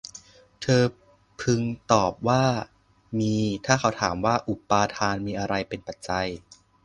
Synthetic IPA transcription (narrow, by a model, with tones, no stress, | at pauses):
t̪ʰɤː˧ | pʰɯ˧ŋt̪ɔː˨˩p̚waː˥˩ | miː˧t̪ʰaː˥˩kʰa˧˩wt̪ʰaː˩˦mwaː˥˩ʔu˨˩pːaː˧t̪ʰaː˧nmiː˧ʔa˧ɾa˧jpe˧npa˨˩t̪̚t͡ɕa˧j